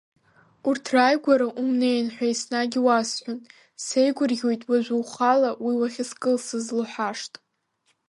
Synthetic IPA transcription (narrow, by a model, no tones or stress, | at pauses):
urtʰrajɡʷaɾaʔumnejnħʷᶣajsnaɡʲɪwasħʷᶣʊn | sejɡʷʊrɡʲojtʼwaʒʷuwχalawiwaχʲɪskʼɨlsɨzluħaʂtʼ